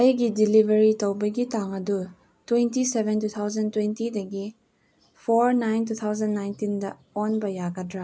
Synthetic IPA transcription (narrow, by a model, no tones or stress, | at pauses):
ɐjɡidilibʱɐɾitɐwbɐɡitaŋɐdu | twentisebʱentut̪ʰawd͡ʒɐntwentidɐɡi | pʰoɾnajntut̪ʰawzɐnːajntindɐ | onbɐjaɡadɾa